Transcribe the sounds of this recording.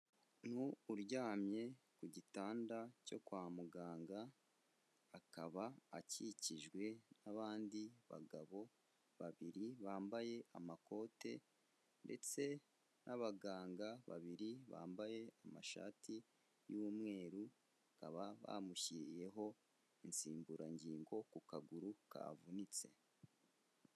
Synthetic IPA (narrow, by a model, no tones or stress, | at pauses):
nuːɾɟaːmɲe̞kuɟitaːndaco̞̰kwaːmuɡaːŋɡaː | kaβaːciciʒɡwe̞naβaːndiβa̰ɡaβo̞ | βaβiɾiβaːmbaje̞amako̞ːte̞ | nde̞̰t͡se̞ | nʔaβaɡaːŋɡaβa̰βiɾiβa̰ːmbaje̞amaʃa̰ːtʰi | jumŋe̞ːɾu | akaβaβa̰muçiɾije̞ɦo̞ | insiːmbuɾʔaɲɟiːŋɡo̞kukaɡuɾuka̰vunit͡se̞̰